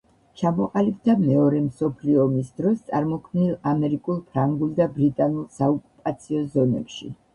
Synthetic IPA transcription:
t͡ʃʰamɔqʼalibd̪amɛɔɾɛmsɔpʰliɔːmisd̪ɾɔst̪sʼaɾmɔkʰmnilˠamɛɾikʼulˠpʰɾaŋɡulˠd̪abɾit̪ʼanulˠsaɔkʼupʼat̪sʰiɔzɔnɛ̰pʃḭ

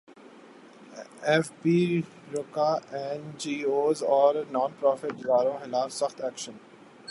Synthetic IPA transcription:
ɛfpiː | ɾʊkaːɛnd͡ʒiːoːzɔːɾnɔ̃ːnpɾɔːfɪʈd͡ʒʋaːɾõxɪlaːfswɐxt̪ɛːkʃən

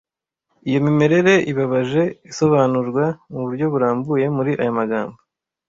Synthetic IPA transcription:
ijo̞mime̞ɾe̞ɾe̞ʔiβaβaʒe̞iso̞βaːnuɾɡwamuβuɾɟo̞βuɾaːmbuje̞muɾiʔajamaɡa̰ːmbo

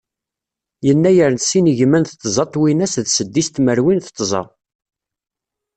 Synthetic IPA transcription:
jənːæjəɾnsiniʝmænθət̪ˤːzˤɑt̪ˤːwinæsðsəd̪ːist̪məɾwinθt̪ˤːzˤɑ̰

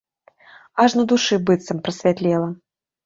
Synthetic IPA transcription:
aʂnɐd̪uʂɨbɨt̪sɐmpɾɐsʲvʲat̪lʲɛlˠɐ

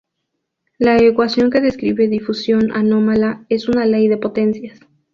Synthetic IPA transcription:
laekwasjo̞ŋke̞ðe̞skɾiβe̞ðifusjo̞na̰no̞malae̞sunale̞jðe̞po̞t̪e̞nsjas

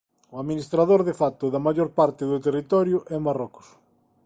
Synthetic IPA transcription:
ʊaðminist̪ɾaðoɾðefat̪ʊðɐmajoɾpaɾt̪ɪðʊt̪erit̪ɔɾjʊʔɛmarɔkʊ̥s

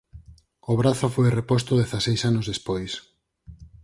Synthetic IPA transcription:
oβ̞ɾaθofojrepost̪oðeθasejsanozðespojs

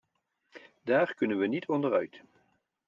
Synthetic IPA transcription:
daːrkɵnənʋənitʰɔndərœɥt

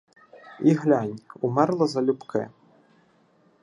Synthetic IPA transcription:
iɣlʲanʲumɛrlˠɐzɐlʲupkʰɛ̰

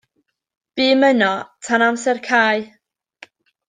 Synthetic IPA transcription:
b̥iːmənɔtʰanamsɛrkʰaːj

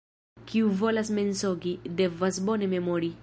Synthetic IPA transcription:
kiuvo̞lasme̞nsoɡide̞vasbone̞me̞moɾi

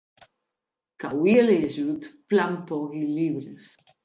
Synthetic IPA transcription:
kawieleaʒut̪plampɔɣiliβɾes

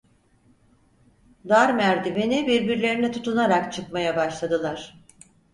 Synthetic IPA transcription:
d̪aɾmæɾd̪ivenibiɾbiɾlʲe̞ɾinɛt̪ʰut̪ʰunaɾakt͡ʃʰɯkmajabaʃlˠad̪ɯlˠaɾ̥

